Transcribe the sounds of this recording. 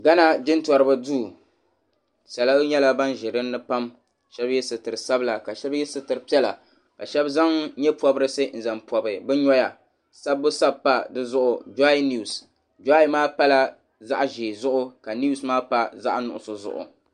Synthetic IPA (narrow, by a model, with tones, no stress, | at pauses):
ɡa˦na˦d͡ʒɪ˦ntɔ˨ɾɨ˨ba˦duː˦˨ | sa˨la˦ɲɛ˦la˦ba˦nʒɪ˨dɨ˦nː˦ɨ˦pa˦m | ʃɛ˦bjɛ˦sɨ˨tɨ˨ɾɨ˨sa˦bla˨ka˨ʃɛ˦bjɛ˦sɨ˨tɨ˨ɾɨ˨pi˦ɛ˦la̰˨ | ka˨ʃɛ˦bza˦ŋɲɛ˦pɔ˨bɨ˦ɾɨ˦sɨ˦n̩˨za˨mpɔ˨bɨ˨bɨ˦ɲɔ˦ja˨ | sa˦bːʊ˦sa˦bpa˦dɨ˦zʊ˦ʔʊ˨d͡ʒa˦jni˦˨s | d͡ʒa˦jmaː˦pa˦la˦ | za̰˦ʔʒe˨zʊ˦ʔʊ˦ka˨ni˦u˦˨smaː˦pa˦za̰˦ʔnʊ̰˨ʔʊ̰˨sʊ˨zʊ̰˨ʔʊ̰˨